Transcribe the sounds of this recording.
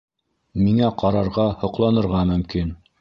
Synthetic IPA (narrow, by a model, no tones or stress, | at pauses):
miŋæqɑɾɑɾʁɑhŏqlˠɑnɤ̆ɾʁɑmɵ̆mkin